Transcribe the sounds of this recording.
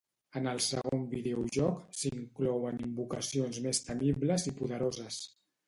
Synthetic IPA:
ənəlˠsəɣombiðeuʒɔksiŋklɔwənimbukəsionzmest̪əmiβləzipuðəɾozəs

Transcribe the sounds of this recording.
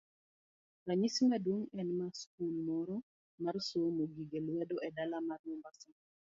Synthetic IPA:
ɾaɲisimadoŋɛnmask̚ulmɔɾɔ | marsomoɡiɡelwɛdoʔɛdalamarwɔmbasɔ

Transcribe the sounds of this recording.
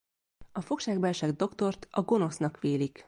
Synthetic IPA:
ɒfo̞kʃaːɡbɛlʃɛɡd̪o̞kt̪o̞rt̪ɒɡo̞no̞snɒkʋeːlik

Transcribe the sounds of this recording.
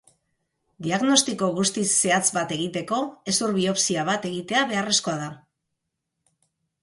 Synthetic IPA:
d̪iaɣno̞st̪iko̞ɣust̪isːe̞at͡sbat̪e̞ɣ̞it̪e̞ko̞e̞suɾβio̞psiaβ̞at̪e̞ɣit̪e̞aβe̞are̞sko̞aða

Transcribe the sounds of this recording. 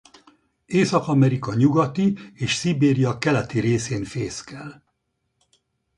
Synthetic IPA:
eːsɒkɒmɛɾikɒɲuɡɒt̪ieːʃsibeːɾijɒkɛlɛt̪iɾeːseːnfeːskɛl

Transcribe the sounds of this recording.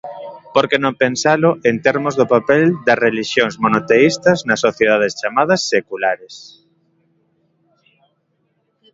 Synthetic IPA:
poɾkenõŋpensalʊʔent̪eɾmʊzðʊpapɛld̪ɐsreliʃjoŋzmonot̪eist̪ɐznɐsːoθjeð̞að̞est͡ʃamað̞ɐsːekulaɾes

